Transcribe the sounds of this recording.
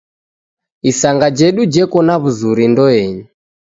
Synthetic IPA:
isaŋɡad͡ʒɛɗud͡ʒɛkɔnaβuzuɾindɔɛɲi

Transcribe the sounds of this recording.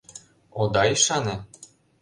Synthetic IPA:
od̪ɑiʃɑne

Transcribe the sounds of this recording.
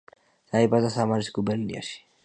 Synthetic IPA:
sajbazasamaɾiskubɛɾnḭa̰ʃi̥

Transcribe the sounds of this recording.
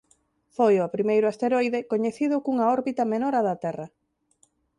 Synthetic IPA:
fojopɾimejɾʊast̪eɾojðekoɲeθiðʊkuŋɐɔɾβit̪ɐmenɔɾaðɐt̪ɛrɐ

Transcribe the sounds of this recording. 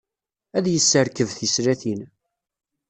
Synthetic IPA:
æðjəsːəɾkəvθəsɾæθin

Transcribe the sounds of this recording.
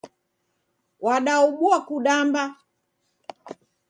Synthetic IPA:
waɗauɓuakuɗamba

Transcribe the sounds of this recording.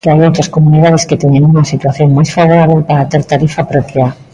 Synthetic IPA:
kajowt̪ɾɐskomuniðaðesket̪eɲeŋuŋɐsit̪waθjoŋmajsfaβoɾaβelpaɾat̪eɾt̪aɾifapɾopja

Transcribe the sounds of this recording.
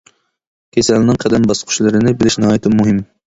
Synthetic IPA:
kʲʰesɛlnɪŋqʰɛd̪ɛnbɑsqʰʊ̥ʃlˠɨɾɨnɪbɪlɪʃnɨhɑːjit̪ʰɪmuɦɪm

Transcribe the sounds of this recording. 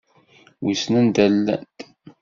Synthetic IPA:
wisnənd̪ælːæ̰nt̪

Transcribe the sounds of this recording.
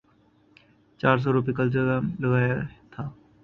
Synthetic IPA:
t͡ʃaːɾs̬ɔɾʊp̬ikəld͡ʒəɡalɐɡaːjat̪ʰaː

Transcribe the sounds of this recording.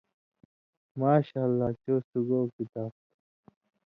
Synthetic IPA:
maːɕaːlːaːt͡ɕoːsuɡoːkit̪aːb̚

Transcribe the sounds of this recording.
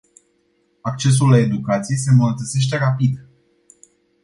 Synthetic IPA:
ak̚t͡ʃe̞s̬ulːae̞d̪ukat̪sije̞se̞mənət̪ət̪se̞ʃt̪e̞ɾapid̪

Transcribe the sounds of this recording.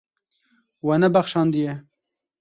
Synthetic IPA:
wɛnɛbæxʃɑːnd̪ijɛ

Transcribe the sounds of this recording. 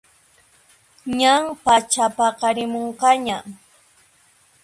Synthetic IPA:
ɲaŋpat͡ʃapaqɑɾɪmoɴqɑɲa

